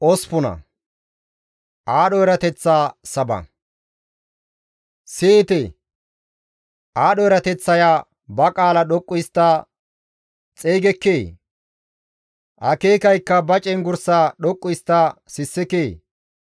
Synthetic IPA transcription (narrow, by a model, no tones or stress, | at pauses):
ʔɔspʊnɐ̰ | ʔaːɗɔɛɾɐt̪ɛt͡sːaːsɐbɐ̰ | sɪt̪ɛ | ʔaːɗɔɛɾɐt̪ɛt͡sːɐjaː | bɐkʼaːlɐɗɔkʼːʊjst̪ːa | t͡sʼeːɡɛkːeː | ʔɐkeːkɐjkːɐbɐt͡ʃʼɛnɡʊɾsaɗɔkʼːʊjst̪ːasɪsːɪkeː